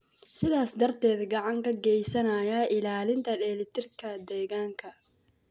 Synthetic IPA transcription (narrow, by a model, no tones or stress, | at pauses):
sɪðaːsd̪ɐrt̪ʰɛːd̪ɡɑʕɑŋkʰɐɡɛjsɐnɐjɐʔɪlaːlɪnt̪ʰɐlɛːlɪt̪ʰɪrkʰɐd̪ɛːɣaːŋkʰɐ